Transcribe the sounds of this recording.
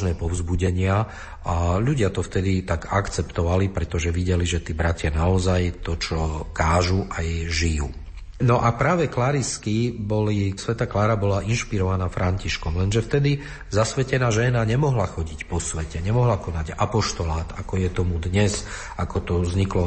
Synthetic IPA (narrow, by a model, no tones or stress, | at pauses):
ʒnɛːpɔvʊzbuɟɛɲɪa | aʎuɟɪat̪ɔft̪ɛd̪it̪aɡakt͡sɛpt̪ɔʋalipɾɛt̪ɔʒɛʋiɟɛliʒɛt̪iːbɾacɪanaɔzajt̪ɔt͡ʃɔkaːʒuʔajʒijṵ | nɔʔapɾaːʋɛklaɾiskibɔlisʋɛt̪aklaːɾabɔlaʔinʃpiɾɔʋanaːfɾʔaɲciʃkɔmlɛnʒɛft̪ɛd̪i | zasʋɛcɛnaːʒɛnaɲɛmɔɦlaxɔɟicpɔsʋɛcɛɲɛmɔɦlakɔnaɟapɔʃt̪ɔlaːt̪akɔjɛt̪ɔmud̪ɲɛz | akɔt̪ɔzɲiklɔ